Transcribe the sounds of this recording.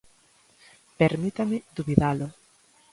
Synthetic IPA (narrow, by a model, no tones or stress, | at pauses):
peɾmit̪amɪd̪uβiðalʊ